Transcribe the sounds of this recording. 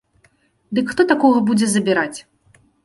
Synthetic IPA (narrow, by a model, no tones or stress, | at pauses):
d̪ɨkxt̪ɔt̪akɔɣɐbud͡zʲɛzɐbʲiɾat͡sʲ